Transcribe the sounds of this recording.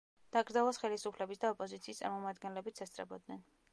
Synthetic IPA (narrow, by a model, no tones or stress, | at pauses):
d̪̥aɡɾd̪zalˠasχɛlisupʰlɛbisd̪aɔpʼɔzit̪sʰiːst̪sʼaɾmɔmad̪ɡɛnlɛbit̪sʰɛst̪ʰʼɾɛ̰bɔd̪nɛn